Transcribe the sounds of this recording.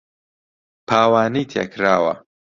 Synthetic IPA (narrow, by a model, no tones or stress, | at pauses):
pʰaːwaːnit̪ʰḛːkʰɾaːwɐ̰